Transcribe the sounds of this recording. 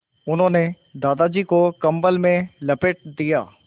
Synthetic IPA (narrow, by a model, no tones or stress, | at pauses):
ʊnɦõːne | d̪aːd̪ad͡ʒiːkokɐ̃mbəlmẽlɐpɪʈ̚d̪ija̰ː